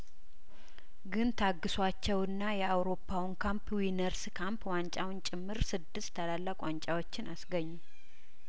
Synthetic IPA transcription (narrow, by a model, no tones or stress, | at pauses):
ɡɨnt̪ʰaɡːɨswat͡ʃːɛwɨnːajɛawɾo̞pʰːawnkʰampwinəɾskʰampwant͡ʃʼawʊnt͡ʃʼɪmːɨɾsɨd̪ːɨst̪ʰːəlalːakʼant͡ʃʼawot͡ʃːɪnʔasɡəɲːu